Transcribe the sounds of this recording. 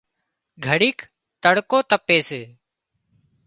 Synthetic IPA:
ɡʱəɽiːk | t̪əɽkoːt̪əpːeːseː

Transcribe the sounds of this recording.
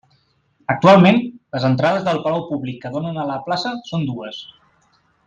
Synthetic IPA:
ək̚t̪ualˠmenləzənt̪ɾaðəzðəlˠpəlawpuβlikːəðonənələplasəsond̪uəs

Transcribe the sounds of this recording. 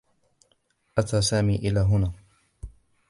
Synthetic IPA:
ʔat̪aːsaːmiːʔɪlaːɦʊnaː

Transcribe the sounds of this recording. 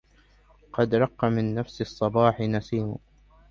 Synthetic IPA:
qɑd̪ɾˤɑqːɑmɪnːafsɨsˤːɑbɑːħɪnasiːmʊ̰

